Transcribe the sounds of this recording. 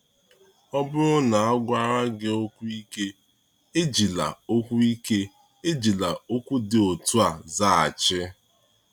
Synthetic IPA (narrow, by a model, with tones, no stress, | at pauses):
ɔ˦bʊ˦ɾʊ˦na˨a˦ɡʷa˦ɾa˦ɡɪ˦o˦kʷu˦i˦ke˦ | e˦d͡ʒi˨la̰˨o˦kʷu˦i˦ke˦ | e˦d͡ʒi˨la˨o˦kʷu˦dɪ˨o˨tu˦a˨za˦˨a̰˨t͡ʃɪ˦